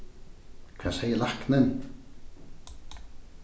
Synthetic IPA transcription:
kʰvasejəlahknɛn

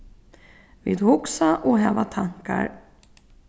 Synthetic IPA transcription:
viːd̪hʊksaʔɔɦɛːvat̪ʰaŋka̰ɾ

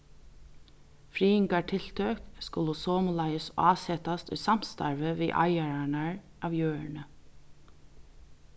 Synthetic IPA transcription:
fɾiːɪŋkaʈʰɪlt̪ʰøːkskʊləsoːmʊlɑɪəsɑːsɛt̪ast̪ʉ̰ːsam̥st̪ɑ̰ɹʋəʋiːʔa̰ɪaɹaɳaɹ | ʔɑʋjøːɹɳə

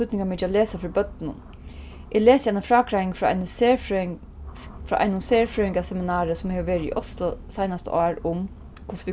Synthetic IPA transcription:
ʏt̪nɪŋkamɪːt͡ʃaleːsafɪɾibœt̪ːɪnʊ̰n | ʔeleːsjaɪjnfɾɑːkʰɾajɪŋfɔa̰nə | fɾa̰ʔa̰jnʊnseːɹfɾøːɪŋkasɛmɪnaːɾəsʊmheːʋəʋeːɾɪḭʔɔst̪lʊsajnast̪ə̰ɑːɹʊm | kʰʊsʋi

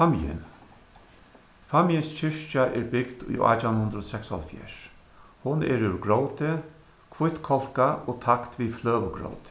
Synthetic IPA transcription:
amijɪ̰n | famijɪnst͡ʃʰɪʂt͡ʃaʔɛɾbɪkd̪ṵja̰ːt̪awnhʊnd̪ɾɔɔsɛksɔ̰lfjɛ̰ːɹ | hʊnɛ̰ɾʉɹɡɾowt̪ɪ | kʰvʊht̪kʰɔl̥kaɔːt̪ʰakt̪ʋiflœːʋəɡɾo̰wt̪ɪ̥

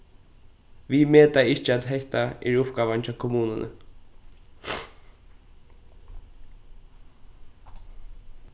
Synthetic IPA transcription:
ʋimeːt̪aɪt͡ʃɪat̪ɦɛht̪aɪɹʊpɡaːʋant͡ʃakʰʊmuːnənə̰

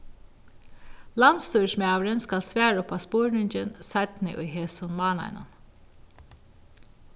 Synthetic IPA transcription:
lanst̪uːsmɑːʋɾɪnskalsʋæːɹʊpaspoːɹɳɪɲcənsat̪nɪ̰ʔʊ̰jɦeːsʊnmɑːna̰ɪnʊ̰n

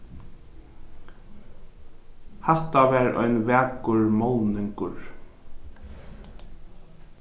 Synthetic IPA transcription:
hɛht̪avɛːɾʔɔ̰jnvæːkʊɹmɔwnɪŋkʊɹ

